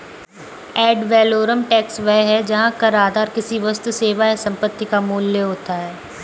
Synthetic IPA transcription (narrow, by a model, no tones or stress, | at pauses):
ɛːɖʋɛːloːɾəmʈɛːksʋɛɦɦɛd͡ʒɐɦãkɐɾaːd̪ʱaːɾkɪsiʋəst̪seːʋajesɐ̃mpət̪ːikamuːljəɦoːt̪aɦɛː